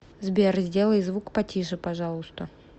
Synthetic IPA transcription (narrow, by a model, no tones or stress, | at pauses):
zbʲerzʲdʲelˠəjzvukpɐtʲiʂɨpɐʐɑlˠʊst̪ə